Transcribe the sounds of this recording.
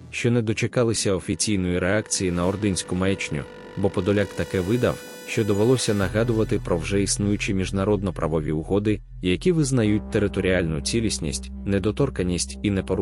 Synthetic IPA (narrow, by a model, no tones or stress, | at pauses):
ʃt͡ʃɔnɛd̪ɔt͡ʃekɑlˠɪsʲɐɔfʲit͡sʲijnɔjiɾeakt͡sʲijinɐɔrd̪ɪnʲsʲkʊmɛjt͡ʃnʲʊ̰ | bɔpɔd̪ɔlʲakt̪ɐkɛʋɪd̪ɐ̰w | ʃt͡ʃɔd̪ɔʋelˠɔsʲɐnɐɦɑd̪ʊʋɐt̪ɪpɾɔwʒɛisnujʊt͡ʃɪmʲiʒnɐɾɔd̪nɔpɾɐʋɔʋʲḭʊɦɔd̪ɪ | jɐkʲiʋɪznɐjut̚ʲt̪eɾɪt̪ɔɾʲialʲnʊt͡sʲilʲisʲnʲḭsʲtʲ | nɛd̪ɔt̪ɔrkɐnʲisʲtʲinɛpɔɾ